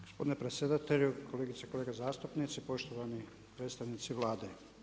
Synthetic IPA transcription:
ɡ̥ospo̞d̪inepɾet̪sʲjed̪at̪eʎukʰoleːɡit̪seko̞le̞ːɡazaːst̪upnit̪sipo̞ʃt̪oʋani | pɾet̪st̪aʋnit̪siʋlˠaːd̪e

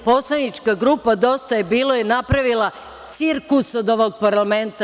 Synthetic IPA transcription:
po̞slˠanit͡ʃkaɡɾuːpad̪o̞st̪ajebiːlˠojinapɾaʋilˠa | t̪siɾkusod̪o̞ʋo̞ɡ̚paɾlament̪a

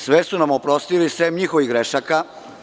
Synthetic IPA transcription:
sʋesunamopɾo̞st̪ilisemɲixoʋiɡɾeʃaka

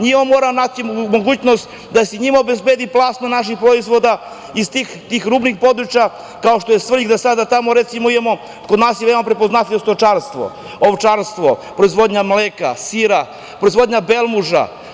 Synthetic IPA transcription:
ɲimamːoːɾamnat͡ɕimoɡuːt͡ɕnost̪ | d̪aseɲimaobezbed̪iplˠasnonaʃ̬ixpɾoizʋo̞d̪a | ist̪iːxt̪iːxɾuːbnixpo̞d̪ɾut͡ɕa | kao̞ʃt̪o̞jest̪ʋr̩ʎiɡd̪asad̪at̪amoɾet̪simoid̪emo̞ | kod̪naːsjeemapɾe̞poznat̪lʲiʋost̪ot͡ʃaɾst̪ʋo̰ | oʋt͡ʃaɾst̪ʋopɾo̞izʋo̞d̪ɲamleːka̰siɾa | pɾo̞izʋo̞d̪ɲabelˠmuʒa̰

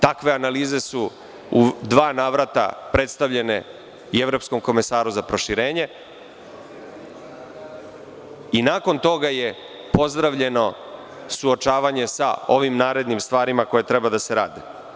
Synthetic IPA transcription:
t̪akʋe̞analiːze̞su | ud̪ʋaːnaːʋɾat̪a̰pɾʔe̞t̪st̪aʋʎe̞ne̞ | ueʋɾo̞psko̞mko̞mesaːɾuzapɾo̞ʃiɾeːɲe̞ | inaːko̞nt̪o̞ɡaje̞ | po̞zd̪ɾaʋʎe̞no̞ | suot͡ʃaːʋaɲe̞sa̰o̞ʋimnaːɾe̞d̪nimst̪ʋaːɾimako̞je̞t̪ɾebad̪ase̞ɾaːd̪e

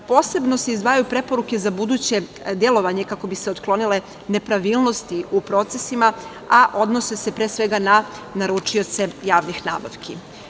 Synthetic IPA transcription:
po̞ːse̞bno̞se̞izd̪ʋaːjajupɾe̞po̞ɾuke̞zabud̪uːt͡ɕe̞ | d̪je̞lˠo̞ʋaɲe̞kako̞biseot̪klˠo̞nile̞ | ne̞pɾaʋiːlˠno̞st̪iupɾo̞t̪sesima | aʔo̞d̪no̞se̞sepɾeːsʋe̞ɡana | naɾut͡ʂio̞t̪se̞jaːʋnixna̰ːba̰ʋkʰi

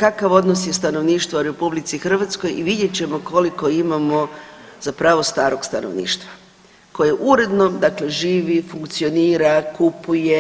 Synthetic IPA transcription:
kakaʋo̞d̪nosje̞st̪ano̞ʋniːʃt̪ʋauɾe̞publit̪sixr̩ʋat̪sko̞jiʋid̪je̞t͡ɕe̞mo̞ko̞liko̞imamo̞zapɾaʋo̞st̪aːɾo̞ɡst̪ano̰ʋnḭːʃt̪ʋa | ko̞jeʔuɾe̞d̪no̞md̪akle̞ʒiːʋifuŋkt̪sio̞niːɾakupuje̞

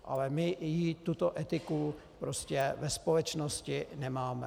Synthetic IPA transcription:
ʔa̰lɛmɪjit̪ut̪oʔɛt̪ɪku | pɾoscɛvɛspolɛt͡ʃnoscɪnɛmaːmɛ

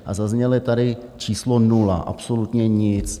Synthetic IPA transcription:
ʔazazɲɛljɛt̪adɪt͡ʃiːslonula̰ʔa̰psolut̪ɲɛɲɪt͡s

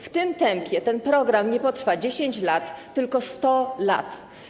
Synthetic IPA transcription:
ft̪ɘmt̪ɛmpʲjɛt̪ɛnpɾɔɡɾamɲɛpɔt̪ɾfad͡ʑeɕeɲt͡ɕlat̪ːɘlkɔst̪ɔla̰t̪

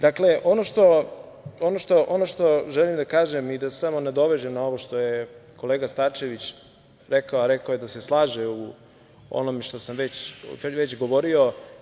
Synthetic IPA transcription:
d̪akle̞ʔo̞noʃt̪o̞ | onoʃt̪o̞ʔonoʃt̪o̞ʒelimd̪akaːʒemid̪asamo̞ned̪o̞ʋe̞ʒemnao̞ʋoʃt̪o̞jeko̞leːɡast̪aːt͡ʃeʋit͡ɕ | ɾekaoaɾekaojed̪ase̞slˠaːʒeu | o̰no̞meʃt̪o̞samʋet͡ɕʋet͡ɕɡo̞ʋo̞ɾio̞

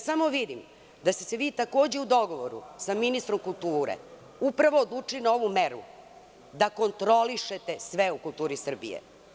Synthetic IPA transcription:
samo̞ʋid̪im | d̪ast̪eseʋiːt̪ako̞ːd͡ʑeud̪o̞ɡo̞ʋoɾṵsaminist̪ɾo̞mkulˠt̪uːɾḛ | upɾaʋoːd̪lˠuːt͡ʂinao̞ʋumeɾṵ | d̪ako̞nt̪ɾo̞liʃe̞t̪e̞sʋeukulˠt̪uːɾisr̩bḭjḛ

